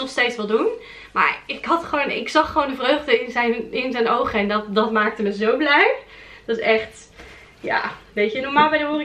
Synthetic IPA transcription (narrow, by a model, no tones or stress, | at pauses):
nɔχstejtsʋɑlˠdun | ma̰ːɹɪkɦɑtχəʋownɪ̰ksɑχːəʋowndəvrøɥχdəɪnzɛjnɪnzɛjnowχəɛndɑtdɑtmaːk̚təməzowblɛjd̥ɔtɪsɛχt | ja̰ːʋejtənɔɹmaːlˠbɛjdəɦuːri